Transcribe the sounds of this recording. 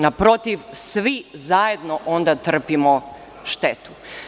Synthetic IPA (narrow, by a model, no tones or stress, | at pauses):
napɾo̞t̪iʋsʋizajed̪noʔond̪at̪r̩pimo | ʃt̪et̪u̥